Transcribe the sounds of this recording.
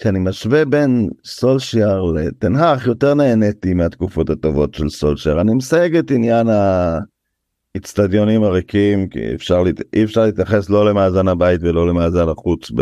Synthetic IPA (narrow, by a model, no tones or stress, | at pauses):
kianimaʃvebe̞nso̞lʃaʁlet̪enɦaχjo̞te̞ʁneːne̞timeat̪kufo̞that̪o̞vo̞tʃelso̞lʃaʁanimesajeɡetinjana | it͡stadjo̞nimaʁikimkḭḛfʃaʁlʔiefʃaʁliːt̪jaχe̞slo̞le̞maːzanabait̪velo̞lemaːzanaχut͡sb